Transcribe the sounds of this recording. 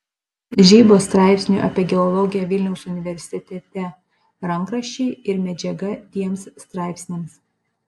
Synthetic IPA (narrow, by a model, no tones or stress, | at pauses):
ʒʲiːboːst̪ɾɑˑɪpʲsʲnʲṵˑʔɐ̰pʲiɛɡʲɛɔlˠɔɡʲɪjɛʋʲɪlʲnʲɛʊsʊnʲɪʋʲɛɾʲsʲɪt̪ʲɛt̪ʲɛ | ɾɐŋˑkɾɐʃʲt͡ʃʲɛɪɪɾmʲɛd͡ʒʲɛɡɐt̪ʲiɛmsst̪ɾɑˑɪpʲsʲnʲeːms